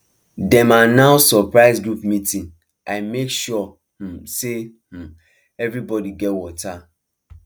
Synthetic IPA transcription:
dɛ̃manaʊsɔpɹaɪzɡɹupmitĩn | ʔaɪmekʃɔ | h̩se | h̩ | ɛvɹibɔdiɡɛtwɔtʰa

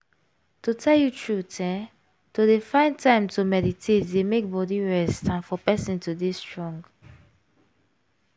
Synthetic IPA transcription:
totʰɛljutʰɹutʰɛ̃ | todefãɪ̃ntʰãɪ̃mtʰumɛditʰetdemek̚bɔdiɹɛstãnfɔpɛsĩntʰudestɹɔ̃ŋɡ

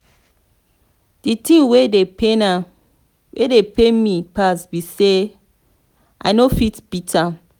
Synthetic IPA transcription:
d̥itĩŋwedepena | wʔedepemipasbise | ʔa̰ɪnofitb̥itʰa

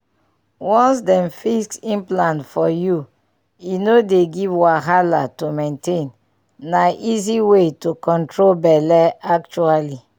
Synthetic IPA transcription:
wɔ̃nsdɛ̃mfisksĩnplãnfɔju | inodeɡivwaɦalatumẽntẽn | naʔiziwetukɔ̃ntɹolbɛlɛak̚t͡ʃuali

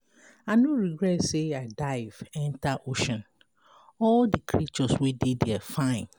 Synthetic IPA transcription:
anoɹiɡɹɛtseaɪdaɪv̥ɛ̃ntaʔoʃɔ̃n | ɔldikʰɹit͡ʃɔswedidɛfãɪ̃n

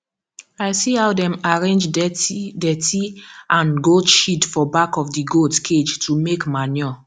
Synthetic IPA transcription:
aɪsihawdɛ̃maɹẽnd͡ʒ | dɛtiãnɡotʃitfɔbakɔfdiɡoltkʰed͡ʒtʰumekmanjɔ

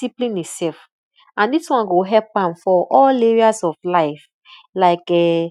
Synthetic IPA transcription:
siplĩnitsɛf | ãndiswãnɡoɦɛpãmfɔʔɔleɹiazɔflaɪf | laɪkɛ

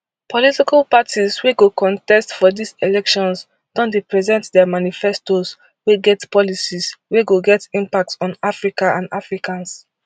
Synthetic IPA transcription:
pʰɔlitikalpatʰisweɡokʰɔ̃ntɛstfɔdiselɛkʃɔ̃ns | d̥ɔ̃ntɹipɹɛzɛ̃ntdɛmanifɛstos | weɡɛtpɔlisisweɡoɡɛtĩmpak̚tsɔ̃nafɹikaʔãnafɹikãns

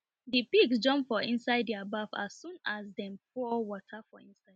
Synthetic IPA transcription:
dipiɡsd͡ʒɔ̃mpfɔʔĩnsaɪddiabava̰sːũnasdɛ̃mfɔwɔtʰafɔĩnsaɪd

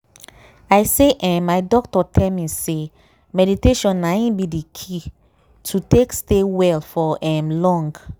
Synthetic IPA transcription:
aɪseʔɛ̃maɪdɔk̚tɔtʰɛlmise | mɛditeʃɔ̃nːaĩnbidikʰi | tʰutekstewɛlfɔɛ̃mlɔ̃ŋɡ

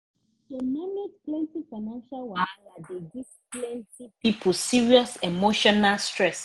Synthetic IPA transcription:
demanedplɛ̃ntifaɪnãnʃalwaadedisplɛ̃ntipipʰulsiɹiɔsemoʃɔnalstʰɹɛs

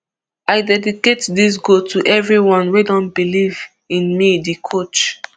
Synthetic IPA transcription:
aɪdɛdiketdis̬ɡotʰuʔɛvɹiwɔ̃nwedɔ̃nbiliv | ĩnmidikʰot͡ʃ

